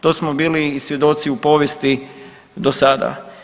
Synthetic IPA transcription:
t̪oːsmobiːliːsʋje̞d̪o̞t̪siupo̞ʋjest̪i | d̪osad̪a̰

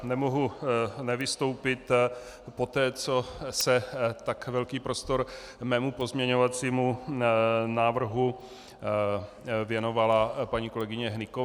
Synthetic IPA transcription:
nɛmoɦunɛvɪst̪o̞wpɪt̪ | po̞t̪ɛːt͡so̞sɛt̪akvɛlkiːpɾost̪o̞ɾ | mɛːmupo̞zmɲɛɲovat͡siːmu | naːvr̩ɦu | vjɛno̞valapaɲiːko̞lɛɡɪɲɛɦnɪko

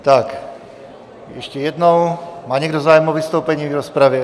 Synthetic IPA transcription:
t̪ak | jɛʃcɛjɛd̪nɔwmaːɲɛɡd̪ozaːjɛmɔʋist̪oʊpɛɲiːɡɾɔspɾaʋjɛ

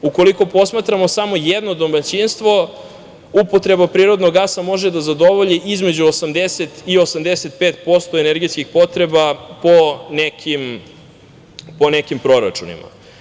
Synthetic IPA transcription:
uko̞liko̞po̞smaːt̪ɾamosamo̞jed̪nod̪omat͡ɕinst̪ʋo̞ | upot̪ɾe̞bapɾiːɾo̞d̪noɡasamo̞ʒed̪azad̪o̞ʋoʎiʔizme̞d͡ʑuosamd̪eset̪io̞samd̪eset̪̚peːt̪po̞st̪oeneɾɡej̪skixpo̞t̪ɾe̞baponekʰim | ponekimpɾo̞ɾa̰t͡ʃunḭma̰

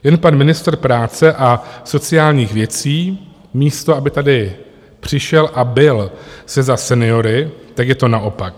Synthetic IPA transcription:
jɛnpanmɪnɪst̪rpɾaːt͡sɛʔaso̞t͡sɪaːlɲiːxvjɛt͡siː | miːst̪oʔabɪt̪adɪ | pr̝̥ɪʃɛlʔabɪlsɛzasɛnɪo̞ɾɪt̪akjɛt̪o̞naʔo̞pak̚

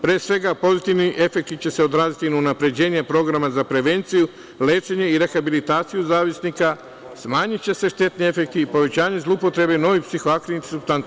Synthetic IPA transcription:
pɾeesʋe̞ɡapo̞zit̪iʋniʔe̞fe̞k̚t̪it͡ɕe̞se̞o̞d̪ɾaːzit̪inaunapɾe̞d͡ʑe̞ːɲepɾo̞ɡɾamazapɾe̞ʋe̞nt̪siju | le̞ːt͡ʃe̞ɲe̞iɾe̞xabilit̪aːt̪sijuzaːʋisnika | smaːɲitt͡ɕe̞se̞ʃt̪e̞t̪nie̞fe̞k̚t̪iːpo̞ʋe̞t͡ɕaːɲe̞zlˠupo̞t̪ɾe̞beno̞ʋipsixo̞akɾiint̪i̥supst̪an

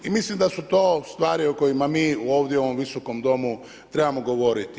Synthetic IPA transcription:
imislimd̪asut̪o̞ːst̪ʋaːɾioko̞jimamiːuo̞ːʋd̪jeo̞ʋo̞mʋiso̞ko̞md̪o̞mu | t̪ɾe̞bamoɡo̞ʋo̞ɾit̪i

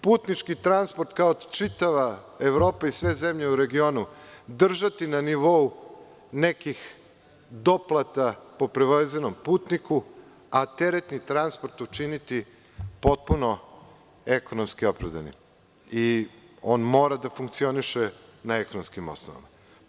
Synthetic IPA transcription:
puːt̪nit͡ʃkit̪ɾanspoɾt̪kaot͡ʃit̪aʋa | eʋɾo̞ːpaisʋe̞zemʎeuɾe̞ɡio̞nud̪r̩ʒat̪inaniʋo̞u | nekix | d̪o̞plˠat̪apo̞pɾeʋaezenompuːt̪nikʰu | at̪e̞ɾet̪nit̪ɾanspoɾt̪ut͡ʃinit̪i | po̞t̪̚puno̞ | eko̞nomskio̞pɾavd̪a̰nḭ | ioːnmo̞ːɾad̪afuŋk̚t̪sio̞niʃenaeko̞nomskimo̞̰snoʋa̰ma

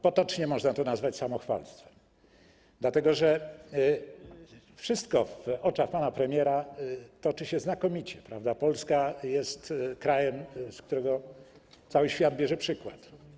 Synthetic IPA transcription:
pɔt̪ɔt͡ʂɲɛmɔʐnat̪ɔnazvat͡ɕsamɔxfa̰lst̪fɛ̥m | d̪̥lat̪ɛɡɔʐɛ | fʂɘst̪kɔfɔt͡ʂaxpanapɾɛmʲjɛɾat̪ɔt͡ʂɘɕɛznakɔmʲit͡ɕɛpɾavd̪apɔlskajɛst̪kɾajɛmskt̪uɾɛɡɔ | t̪sawɘɕfʲjad̪̚bʲjɛʐɛpʂɘkwa̰t̪

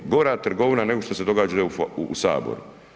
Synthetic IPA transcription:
ɡo̞ɾaːt̪r̩ɡo̞ʋinane̞ɡo̞ʃt̪ose̞d̪o̞ɡaːd͡ʒafuːsa̰ːbo̰ɾu

